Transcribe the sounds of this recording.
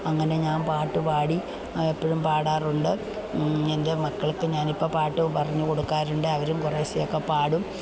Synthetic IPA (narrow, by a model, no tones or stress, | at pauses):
ɐŋːɐne̞ɲaːnpaːʈːɨpaːɽi | epːɐɻumpaːɽaːruɳɖɨ | end̪emɐkːɐɭkːɨɲaːnipːopaːʈːɨpɐrɐɲːuko̞ɽukːaːɾuɳɖɨɐʋɐɾumkureːsekːɐpaːɽum